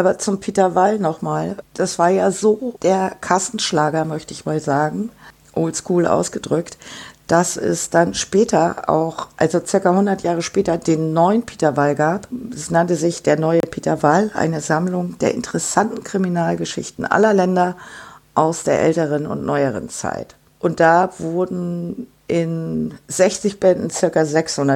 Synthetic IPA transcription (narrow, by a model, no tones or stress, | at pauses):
ʔʔaːbɐt͡sʊmpʰitɐvalnɔχmaːld̥asv̥aːɐjaːzoːd̥eːɐkʰasn̩ʃlaːɡɐmœçtəɪçmaːlzaːɡŋ̩ | ʔolskuːlʔa̰ʊsɡ̥ədʁʏktd̥asɛ̰sd̥anʃpɛːtʰɐa̰ʊxʔalzot͡sɪɐkahʊndɐtjaːʁ̞əʃpɛːtɐdeːnːɔʏənpʰi̥ːtɐvalɡaːpɛsnantəzɪçd̥eːɐnɔʏəpʰiːtɐvalʔa̰ɪnəzamlʊŋd̥eːɐʔɪ̰ntəʁɛsantn̩kʁ̥iminaːlɡəʃɪ̰çtn̩ʔa̰lɐlɛndɐʔaʊsd̥eːɐʔɛ̰ltəʁ̞ənʊ̰ntnʔɔʏəʁə̰nt͡sa̰ɪt | ʔʊnt̚d̥avʊɐdn̩ | ʔɪnz̥ɛçt͡sɪçb̥ɛndn̩t͡sɪɐkazɛkshʊndɐ